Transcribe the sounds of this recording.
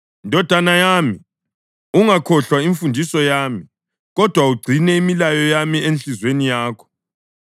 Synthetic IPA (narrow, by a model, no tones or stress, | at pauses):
ndʱɔd̥ʱanajami | uŋakʰɔɬwaiɱfundʱisɔjaːmi | ɣɔd̥ʱwauɡ͡ǀʱinɛimilajɔjamienɬizwenijaːkʰɔ̥